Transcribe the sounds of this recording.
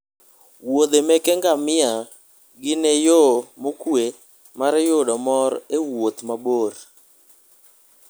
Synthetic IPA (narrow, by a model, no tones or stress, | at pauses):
wod̪emɛkɛŋɡamɪa | ɡɪnejomokwe | maɾjoɗɔmɔɾewot̪maboɾ